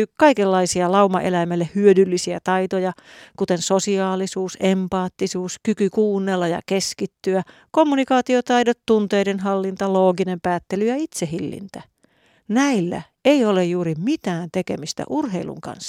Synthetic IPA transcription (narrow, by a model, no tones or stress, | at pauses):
ykɑikelːɑisiɑlɑumɑʔelæmælːehyødylːisiæt̪ɑit̪ojɑkut̪ensosiɑːlisuːsempɑːt̪ːisuːskykykuːnːelːɑjɑ̰keskit̪ːyæ | komːunikɑːt̪iot̪ɑidot̪tunt̪eidenɦɑlːint̪ɑloːɡinempæːt̪ːelyjɑit̪seɦilːḭnt̪æ | næilːæ̰ | eiolejjuːɾimit̪æːnt̪ekemist̪æ̰ʔurɦeilṵŋkɑ̰nsːɑ̥